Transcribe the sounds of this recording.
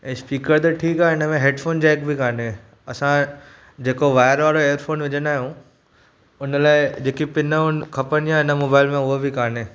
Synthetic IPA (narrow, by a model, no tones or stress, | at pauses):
ɛ̃ːspiːkəɾt̪ɐʈʰiːkaːɪnəmẽɦeːɖfʰoːnd͡ʑɛːk̚bʱikaːne | ɐsã | d͡ʑeːkoʋaːɪəɾʋaːɽoejəɾfʰoːnʋɪd͡ʑənaːɦijũ | ʊnəlaːɪd͡ʑeːkipɪnəʊnkʰɐpəñiãɪnəmoːbaːɪlmẽʊɦobʱɪkʰaːneː